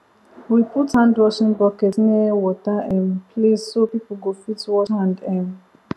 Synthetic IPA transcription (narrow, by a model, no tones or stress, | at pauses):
wiputhãndɹɔʃĩnbɔkɛtnɛwɔtaʔɛ̃mpʰlissopipl̩ɡofitwɔthãndɛ̃m